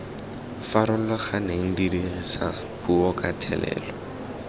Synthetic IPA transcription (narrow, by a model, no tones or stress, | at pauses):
faɾʊlɔχaneŋ̩didiɣisa | buɔkʼatʰɛ̰lɛ̰ːlɔ